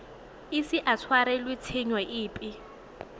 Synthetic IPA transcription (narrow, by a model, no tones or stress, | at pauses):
ɪsɪʔat͡sʰwaɾɛlwɪt͡sʰɪɲwɛʔɪːpʼɪ